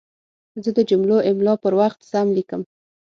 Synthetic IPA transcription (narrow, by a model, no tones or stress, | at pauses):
zəd̪əd͡ʒumloʔɪmlɑpəɾwaxt̪samlikəm